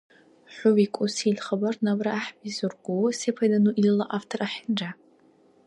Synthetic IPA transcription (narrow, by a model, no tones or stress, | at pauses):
ħʷʊwikʷʼʊsilχabarnabraaħbizurɡʷuwsepʰadanuʔilɨlaʔaftʰoraħɪnd͡ʒa